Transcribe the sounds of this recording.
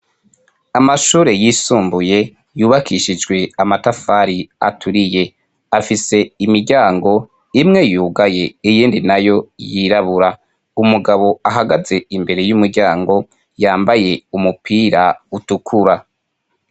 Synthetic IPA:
amaʃuːɾe̞jiːsuːmbuje̞ | juːβakʰiʃid͡ʒɡwe̞amatafaɾia̰tʰuɾije̞ | afise̞imiɾɟaːŋɡo̞ | imŋe̞juːɡaje̞ijiːndinajo̞jiɾaβuɾa | umuɡaβo̞aɦaɡaze̞imbe̞ɾe̞jumuɾɟaːŋɡo̞ | jaːmbaje̞umupʰiːɾautukʰuɾa

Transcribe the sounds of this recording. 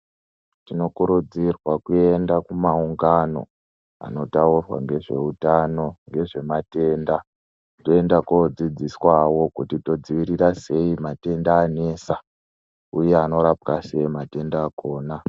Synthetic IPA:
tino̞kuɾud͡zirwakue̞ndakumauŋɡano̞̰ | a̰no̞taurwa̰ŋɡe̞ʐe̞̰utano̞ŋɡe̞ʐe̞mate̞ːnda | to̞endakod͡zid͡ziswawo̞kutito̞d͡ziʋiɾirase̞imate̞ndaːne̞sa | ujeano̞ɾap̚kasejimate̞ndaːko̞ːna

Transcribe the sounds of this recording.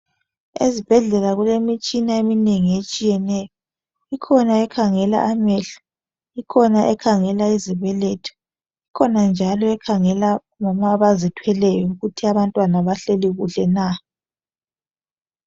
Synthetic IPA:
ezib̥ʱɛɮɛlaɣulemit͡ʃʼinaemineŋiet͡ʃʼijɛnɛjɔ | ikʰɔnaɛkʰaŋɛla̰ʔamɛɬɔ̥ | ikʰɔnaʔɛkʰaŋɛlaiziβɛlɛtʰɔ̥ | ikʰɔnand͡ʒʱalɔɛkʰaŋɛla | ŋɔmaβazitʰwɛlɛjɔuɣutʰiaβantʼwanaβaɬeliɣuɬɛna

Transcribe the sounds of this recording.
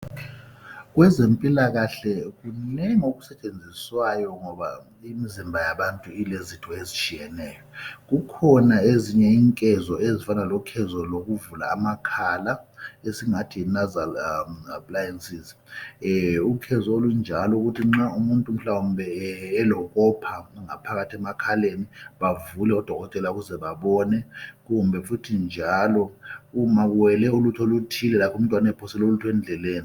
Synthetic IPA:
ɣ̬wɛzempʼilaɣaɬɛɣunɛŋoɣusɛt͡ʃʼend͡zʱiswajɔŋɔβa̰ | imizimbʱajaɓantʼuilezitʰɔezit͡ʃʼijɛnɛːjɔɣukʰɔnaeziɲɛiːŋkʼɛzɔezifanalɔkʰɛzɔloɣ̬uvula̰ːmakʰalaesiŋatʰinazalapʰʼlajɛnsiz | ukʰɛzɔolund͡ʒʱalɔuɣutʰiŋ͡ǁaumuntʼum̩ɬawumbʱɛːlɔɣɔpʰaŋapʰaɣatʰiɛmakʰaleniβavulɛɔd̥ʱɔɣɔtʼɛlauɣuzɛβaβɔnɛɣumbʱɛfutʰind͡ʒʱalɔumaɣuwɛlɛulutʰolutʰilɛlapʰɔum̩tʼwanaɛpʰɔsɛlolutʰɔwɛnd͡ɮʱɛleːni

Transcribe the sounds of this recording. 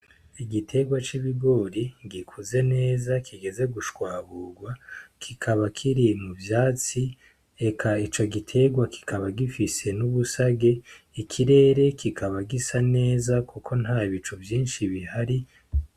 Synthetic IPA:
iɡitʰe̞ɡwat͡ʃiβiɡo̞ːɾiɡikʰuze̞ne̞ːzakʰiɡe̞ze̞ɡuʃwaːβuɡwakʰikʰaβakʰiɾimuvjaːt͡si | e̞kʰait͡ʃo̞ɡitʰe̞ɡwakʰi̥kʰaβaɡifise̞nuβusaɡe̞ | ikʰiɾe̞ːɾe̞kʰikʰaβaɡisane̞ːzakʰukʰo̞n̥haːiβit͡ʃuvjiːnʃiβihaɾi

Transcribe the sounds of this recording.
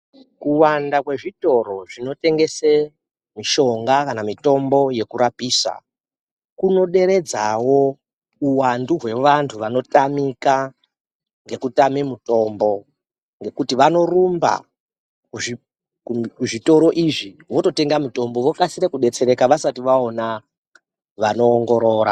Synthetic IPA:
kuwandakwe̞ʐito̞ro̞ʐino̞te̞ŋɡe̞se | miʃo̞ŋɡakanamito̞mbo̞je̞kuɾapiːsa̰ | kuno̞ɗe̞ɾe̞d͡zawo̞ | uwanduɦwe̞ʋantʰuʋano̞tamika | ŋɡe̞kutamimuto̞mbo̞ | ŋɡe̞kutiʋano̞rumba̰ | kuʐi | uʐito̞ɾo̞ʔiʐiʋo̞to̞te̞ŋɡamuto̞mbo̞ʋokasiɾekuɗe̞t͡se̞ɾe̞kaʋasatiʋaona | ʋano̞ːŋɡo̞ɾo̞ːɾa̰

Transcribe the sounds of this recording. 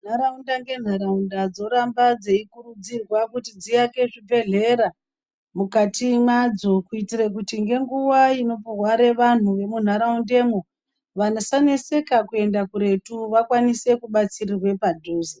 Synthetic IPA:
n̤aɾaundaŋɡe̞n̤aɾaundad͡zo̞ɾambad͡zeikurud͡zirwakutid͡zijake̞ʐibʱe̞ɮe̞ɾa | mukatimad͡zo̞kuitirek̬utiŋɡe̞ŋɡuwaino̞porwaɾe̞ʋan̤uʋe̞mun̤aɾaunde̞ːmo | ʋanosane̞se̞kakue̞ndakuɾe̞tuʋakwanise̞kuɓat͡sirirwe̞padʱoːzi

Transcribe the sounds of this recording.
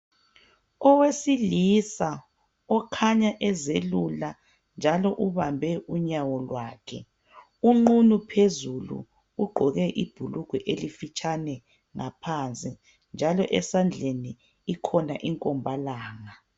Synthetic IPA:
ɔwesilisa | ɔkʰaɲaʔɛzelula | nd͡ʒʱalɔʔuβambʱɛʔuɲawɔlwaːkʰɛ̰ | uŋ͡ǃunupʰezulṵː | ɡ͡ǃʱɔɣɛʔib̥ʱuluɡ̥ʱɛʔelifit͡ʃʼanɛ | ŋapʰant͡sʼi | nd͡ʒʱalɔʔɛsand͡ɮʱeniː | kʰɔnaʔiŋkʼɔmbʱalaːŋa

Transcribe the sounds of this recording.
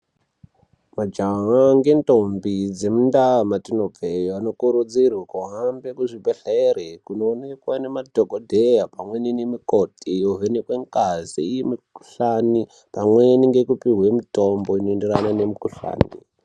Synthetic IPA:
mad͡ʒaɦaŋɡe̞ntombid͡zemundamatinoejoano̞kuɾud͡zirwakuɦambekuʐibʱeɬeːrekunoːne̞kwane̞madʱoɡʱodʱejapamwe̞ninemikotijoɦenekweŋkaziijemiku̥ɬani | pamweniŋɡe̞kupiɦwemitomboinoenderananemikuɬa̰ːnḭ

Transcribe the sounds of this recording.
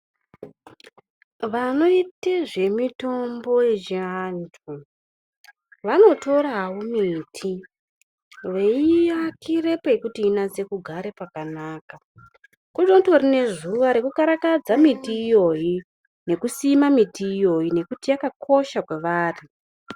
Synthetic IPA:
ʋano̞iteʐe̞mito̞mbo̞je̞d͡ʒantʰu | ʋano̞to̞rawomiːtʰi | ʋe̞ijakʰire̞poekutiːnaze̞kuɡʱaɾe̞pakanaːka | kud͡ʒontorine̞ʐuʋaɾekukaɾakad͡zamitiːjo̞ji | ne̞kusimamitiːjo̞jine̞kutijakakʰo̞ʃakwe̞ʋaːri

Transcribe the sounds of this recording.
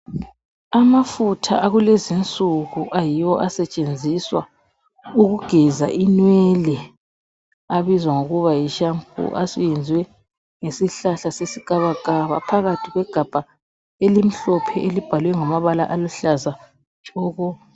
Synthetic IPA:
amafutʰa̰ʔaɣulezint͡sʼuɣuʔajiwɔʔasɛt͡ʃʼend͡zʱiswa | uɣuɡ̥ʱɛza̰ʔinwɛlɛ | aβizwaŋoɣuβajiʃampʼṵʔa̰sujɛnd͡zʱwɛ | ŋesiɬaɬasesikʼaβakʼaβa̰pʰaɣatʰiɣwɛɡ̥ʱab̥ʱa | elim̩ɬɔpʰɛelib̥ʱalwɛŋamaβala̰ʔaluɬaza | t͡ʃʼɔːɣɔ

